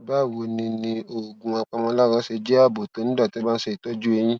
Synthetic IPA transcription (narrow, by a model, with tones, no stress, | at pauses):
ba˦˨wo˧nĩ˧nĩ˧o˨ɡũ˨a˧k͡pã˧mɔ̃˧la˦ɾɔ˧˦ʃe˧d͡ʒe˦a˦˨bo˨to˨˦nĩ˦da˦˨tba˦n̩˦ʃɛ˦˨i˨tɔ˦d͡ʒu˦e˧j̃ĩ˦